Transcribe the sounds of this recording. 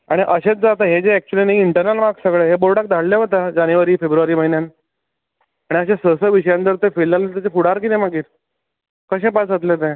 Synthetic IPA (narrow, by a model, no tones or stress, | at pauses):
aɽ̃iʔəɕet͡sd͡zat̪aɦed͡zeɛk̚t͡ɕuəlinaɦiiɳʈəɾnalmaɡsəɡɭeɦeboɾɽak̚d̪aɽleɦot̪ad͡ʑanjʋaɾiːfebɾuʋaɾiːməɦinjan | aɽ̃iəɕãsəsəʋiɕəjãnt̪əɾt̪efelːalət̪at͡ɕefuɽaɾkit̪ẽmaɡiːɾ | kəɕẽpat͡sət̪let̪ɛ̃